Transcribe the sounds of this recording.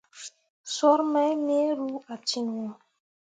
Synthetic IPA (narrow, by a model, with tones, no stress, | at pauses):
sɔ˦ɾma˦jme˦ɾu˦a˨t͡ʃi˦nwɔ̃˨